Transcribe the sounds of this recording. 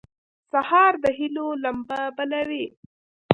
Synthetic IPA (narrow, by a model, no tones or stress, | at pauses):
sahɑɾd̪əɦilolambabalawi